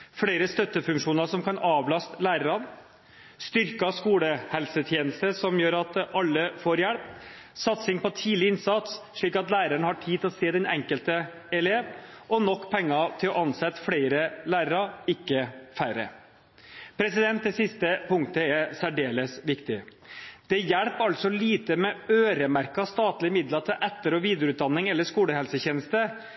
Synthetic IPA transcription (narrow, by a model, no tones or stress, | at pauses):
fɽeɪɾəst̪œt̪ːəfʉŋkʂuːnɑʂɔmkʰɑnɑːʋlɑst̪læːɾəɾɑn | st̪ʏɾkɑskuːləhɛlsət̪ʰjeːnəlst̪əsɔmjøːɾɑt̪ʔɑlːəfoːɾjæɽp | sɑt̪sɪŋpɔt̪ʰiːlɪɪnsɑt̪s | ʂɭiːkɑt̪læːɾæɳəhɑʈʰiːdt̪ʰlɔseːd̪ɛnɛŋkəlt̪ə | ɛleːʋ | ʔɔnɔkːpʰɛŋːɑt̪ʰɪlɔʔɑnsɛt̪ːfɽeɪɾəlæːɾəɾɑɪkːəfæɾə̰ | pʰɾɛsɪd̪ɛnt̪̚d̪ɛsɪst̪əpʰʊŋt̪əɛɾsæɖeːləsʋɪkt̪ɪd̪̥ɛjæɽpɑlt̪sɔliːt̪əmɛøːɾəmæɾkɑst̪ɑːt̪lɪəmɪd̪lɑt̪ʰəʔɛt̪ːəɾɔːʋiːd̪əəʉːt̪̚d̪ɑnːɪŋɛlːəʂkuːləhɛlsəçeːnəst̪ə